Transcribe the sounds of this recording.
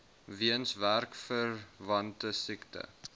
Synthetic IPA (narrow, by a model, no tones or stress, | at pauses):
viənsværkfərvɐntəsiktə̰